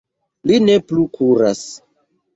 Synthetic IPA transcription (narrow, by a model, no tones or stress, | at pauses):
line̞plukʰuɾas